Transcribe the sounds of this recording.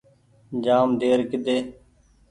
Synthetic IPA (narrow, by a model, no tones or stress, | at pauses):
d͡ʒaːmd̪eːɾkɪd̪eː